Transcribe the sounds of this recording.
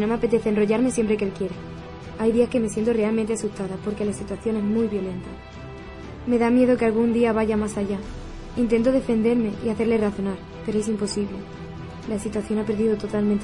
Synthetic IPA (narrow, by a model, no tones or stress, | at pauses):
no̞me̞ape̞t̪e̞θenro̞ʝaɾmesje̞mpɾe̞kelkje̞ɾe | ajðiaske̞me̞s̬je̞nt̪o̞re̞alment̪e̞asust̪aðapo̞ɾke̞lasit̪waθjo̞ne̞zmujβjo̞le̞nt̪a | me̞ðamje̞ð̞o̞ke̞alɣund̪iaβ̞aʝamasaʝa | int̪e̞nt̪oðe̞fe̞nd̪e̞ɾme̞ʔiaθe̞ɾle̞raθo̞naɾ | pe̞ɾoe̞s̬impo̞siβle̞ | lasit̪waθjo̞nape̞ɾðiðo̞t̪o̞t̪alment̪